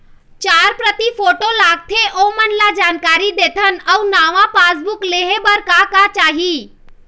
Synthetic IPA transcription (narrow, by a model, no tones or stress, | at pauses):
t͡ʃaːɾpɾət̪ipʰoːʈolaːɡ̚t̪ʰeʔomənlad͡ʒaːnkaːɾid̪eːt̪ʰənəunaːʋãpaːsbʊkleɦebəɾkakat͡ʃaːɦi